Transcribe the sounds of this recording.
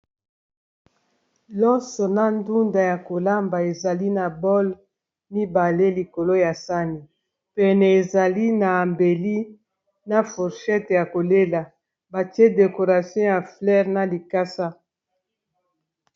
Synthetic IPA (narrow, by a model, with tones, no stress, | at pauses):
lɔ˦sɔ˨na˨ndu˦nda˨ja˨ko˨la˦mba˨e˨za˨li˦na˨bɔ˦l | mi˦ba˨le˦li˨ko˨lo˦ja˨sa˦ni˨ | pɛ˨nɛ˨e˨za˨li˦na˨mbe˨li˦ | na˦fu˨ʁʃɛ˦tja˨ko˨le˦la˨ | ba˨ti˦ɛ˦de˨ko˨ʁa˨sjɔ̃˦ja˨flɛ˦ʁna˨li˨ka˦sa˦